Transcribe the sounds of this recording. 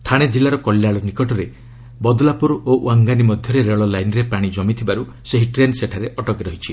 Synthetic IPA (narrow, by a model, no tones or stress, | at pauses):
t̪ʰaɽ̃ed͡ʒilːaɾɔkɔljaɭɔnikɔʈɔɾe | bɔd̪ɔlapuɾoʔwaŋɡanimɔd̪ʱjɔɾeɾeɭɔlajnɾepɾaɽ̃id͡ʒɔmit̪ʰibaɾu | seɦiʈɾenseʈʰaɾeʔɔʈɔkɾɔɦit͡ʃʰi